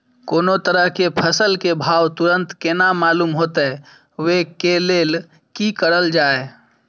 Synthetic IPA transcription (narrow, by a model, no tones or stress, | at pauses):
koːnot̪əɾəɦkepʰəsəlkebʱawt̪uɾənt̪kenamalumɦot̪ɛ | wekelel | kikəɾəld͡ʒae